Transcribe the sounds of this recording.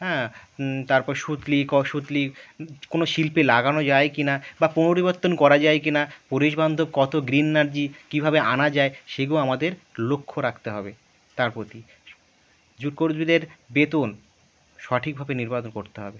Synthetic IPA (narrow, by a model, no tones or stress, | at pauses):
ɦɛ̃t̪aɾpɔɾʃut̪likɔʃut̪likonoʃilpelaɡanod͡ʑaekinabaponoɾiboɾt̪ːonkɔɾad͡ʑaekinapuɾiʃband̪ʱob̚kɔt̪oɡɾinːaɾd͡ʑikibʱabeʔanad͡ʑaeʃeɡamad̪eɾlokʰːoɾak̚ʰt̪eɦɔbe | t̪aɾpɾot̪i | d͡ʑuɾkoɾd̪bid̪eɾbet̪on | ʃɔʈʰik̚bʱabeniɾbat͡ɕonkoɾt̪eɦɔ̰be